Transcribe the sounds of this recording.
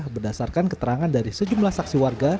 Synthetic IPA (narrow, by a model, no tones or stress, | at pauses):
hbərdasarkankət̪əɾaŋandaɾisəd͡ʒumlahsaksiwarɡa